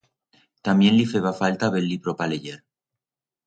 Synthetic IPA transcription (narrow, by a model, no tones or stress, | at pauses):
t̪amje̞nlifeβafalt̪aβelːipɾopaleʝeɾ